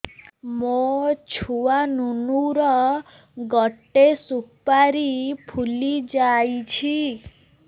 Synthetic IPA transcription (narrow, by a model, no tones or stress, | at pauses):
mot͡ʃʰuanunuɾɔ | ɡɔʈːesupaɾipʰulid͡ʒajt͡ʃʰi